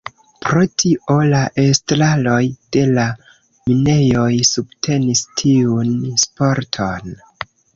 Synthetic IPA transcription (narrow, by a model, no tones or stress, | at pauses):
pɾo̞tʰiʔo̞laʔe̞stɾalo̞jd̥e̞la | mine̞jo̞jsubtʰe̞nistʰiunspo̞ɾtʰo̞n